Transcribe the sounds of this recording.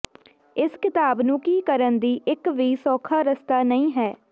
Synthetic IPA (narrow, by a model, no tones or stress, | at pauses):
ɪskɪt̪aːbnũːkiːkəɾənd̪iːʔɪkʋiːsɔːkʰaːɾəst̪aːnəĩːɦɛː